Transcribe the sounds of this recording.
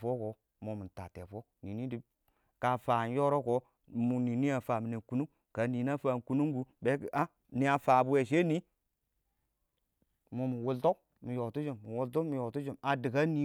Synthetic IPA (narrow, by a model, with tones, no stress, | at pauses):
fo˦ko˨˦ | mo˨mi˨ta̰˨tḛ˨fo˦ni˨ni˦di˦ | ka˨fa˨n˦jo˦ɾo˦ko˨ | mu˨ni˨ni˦a˨fa˨mi˨ne˨ku˦nu˦ | ka˨ni˨na˦fa˨ku˦nu˦ŋɡu˦be˦kʔa˦ | ni˨a˨fa˨bu˦we˨ʃ̬e˦ni˦ | mo˨mi˨wu˨lto˦ | mi˨jo˨tu˦d͡ʒi˨mːi˨wu˨lto˦mi˨jo˨tu˦d͡ʒi˨ma˨di˨ka˦ni˨˦